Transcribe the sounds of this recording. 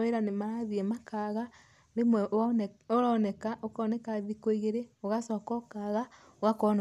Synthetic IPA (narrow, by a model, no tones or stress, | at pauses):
weɾanemaɾaðiɛmakaɣa | oɾemwɛoɾaːnɛkaʔokɔnɛkaðikoiɣeɾeɔɣasɔkɔkaɣa | oɣakɔn